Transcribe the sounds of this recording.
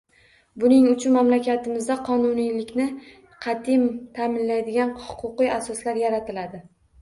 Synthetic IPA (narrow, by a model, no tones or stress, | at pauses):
bʊnɪŋʊt͡ʃʰʊnmamlakʲat̪ʰɪmɪzd̪aqʰɒnʊnijlɪkʲnɪ | qʰɑt̪ʰɪmt̪ʰamɪnlajd̪ɪɡʲanhʊqʰʊqɨjasɒslaɾjaɾat̪ɪlad̪ɪ